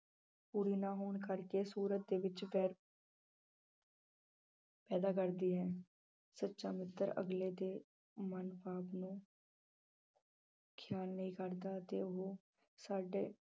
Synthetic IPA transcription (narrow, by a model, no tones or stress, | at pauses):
puːɾiːnaːɦoːɳkəɾkeːsuːɾət̪̚d̪eːʋɪt͡ʃpɛːɾ | pɛːd̪aːkəɾd̪iːɦɛ̃ː | sətːʃaːmɪt̪ːəɾə̰ɡleːd̪eː | mənpaːpnũː | kʰjaːlnəĩːkəɾd̪aːt̪eːʊɦoː | saːɖeː